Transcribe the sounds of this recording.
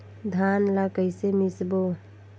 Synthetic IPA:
d̪ʱanlakəjsemɪsbo

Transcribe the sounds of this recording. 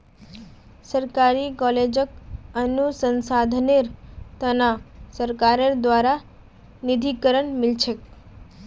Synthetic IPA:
səɾkaɾikɔled͡ʒək̚ənusənsad̪ʱneɾt̪ənasəɾkaɾeɾd̪ʋaɾa | nid̪ʱikəɾəɳmilt͡ʃʰek

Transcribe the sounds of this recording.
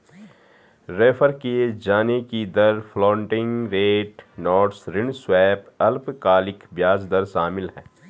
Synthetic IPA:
ɾeːfʰəɾked͡ʒaːnekid̪ɐɾflɔːɳʈɪŋɡɾeːʈnɔːɾsɾɪɳswɛːpɐlpkaːlɪkbjaːzd̪ɐɾʃaːmɪlɦɛː

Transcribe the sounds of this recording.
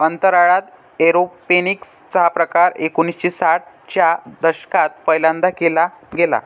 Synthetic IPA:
ənt̪əɾaɭat̪ | eɾopeniks | t͡səɦapɾəkaɾekonist͡ɕiːsaʈ̚ | t͡ɕjad̪əɕkãt̪̚pəjlãnd̪akelaɡela̰

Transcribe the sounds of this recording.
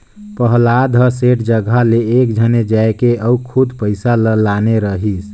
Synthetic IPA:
pəɦlad̪ʱəseʈd͡ʒəɡʱaleːkd͡ʒʱəned͡ʒaekeʔəukʰud̪ʱpəɪsaləlaneɾəɦis

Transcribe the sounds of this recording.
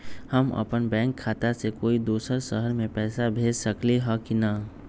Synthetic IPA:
həmɐ̰pənbɛ̃ːŋkʰːaːt̪asekoːid̪oːsəɾsəɦəɾmẽpɛːsabʱeːd͡ʒsəkleɦɔkina

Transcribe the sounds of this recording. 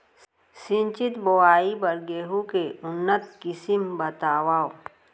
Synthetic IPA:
sɪ̃ɲt͡ʃɪt̪bowaːibɐɾɡeːɦukeʊnːət̪kɪsimbɐt̪aːwaːo

